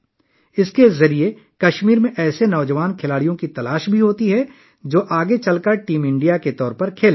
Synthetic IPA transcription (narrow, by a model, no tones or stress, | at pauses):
ɪskezɐɾie | kɐʃmiːɾmẽʔɛːsenɔːd͡ʒəʋaːnkʰɪlaːɽijõkit̪ɐlaːʃbʱiɦoːt̪iɦɛ | d͡ʒoːʔaːɡet͡ʃɐlkəɾʈiːmɪ̃ɳɖijaket̪ɔːɾpɐɾkʰeːl